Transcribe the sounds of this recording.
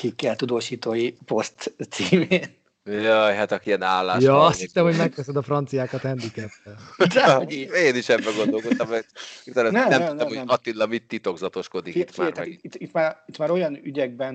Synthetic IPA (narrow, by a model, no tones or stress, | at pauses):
kikːɛlt̪ud̪oːʃiːt̪oːjipost̪siːmeːn | jɑjɦat̪ɒkiɛnaːlːaːjɒɒst̪hit̪ːɛmɦo̞ɟmɛk̚tɛsɛd̪ɒfrɒnt̪sijaːkɒt̪ɛnd̪ikɛt̪ːɛd̪aɡieːniʃɛbːɛɡo̞nd̪o̞lko̞t̪ːɒmɛiɛnnɛmnɛmɛumnɔɛmhoɛɒt̪inlɒmit̪ːit̪o̞ɡzɒt̪o̞ʃko̞d̪ikit̪maːrmaɛiit̪ːit̪maːɾit̪maːɾo̞jɒnyɟɛɡ̚bɛn